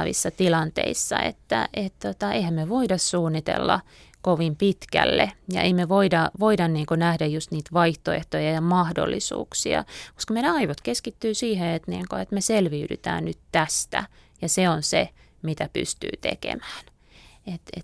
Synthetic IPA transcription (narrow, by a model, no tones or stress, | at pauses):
ʋḭsːɑt̪ilɑnt̪ḛisːɑ̰ḛt̪ːæ̰ʔet̪t̪ot̪ɑeihæmmeʋoidɑssuːnːit̪ḛlːɑ̰ | koʋimpit̪kæ̰lːejɑ̰ʔeimeʋoidɑʋoidɑnniːŋkonæhdæjjust̪niːt̪ʋɑiht̪oḛht̪ojɑjɑmɑhdo̰lːisṵːksiɑ̰ko̥skɑmeilæɑiʋot̪keskit̪ːyːsiːheet̪nḭːŋkoet̪meselʋiydy̰t̪æ̰ːnnyt̪tæst̪æ̰ | jɑseonse | mit̪æpy̰st̪y̰ːt̪ḛkḛmæ̥ːn | et̪ḛt̪